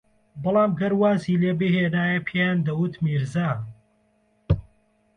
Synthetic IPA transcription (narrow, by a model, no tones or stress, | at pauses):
bɨlˠaːmɡɐɾwaːziːleːbiɦeːnaːjɐpʰejaːnd̪ɐwut̪miɾzaː